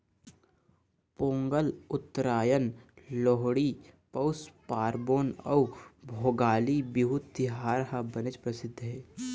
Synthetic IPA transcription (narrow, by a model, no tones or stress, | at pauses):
põːŋɡəlʊt̪ːɾaːjənloɦɽiːpɐwspaːɾboːnɐwbʱoːɡaːlibɪɦut̪ɪɦaːɾɦabɐnɪt͡ʃpɾɐsɪd̪ʱːɦeː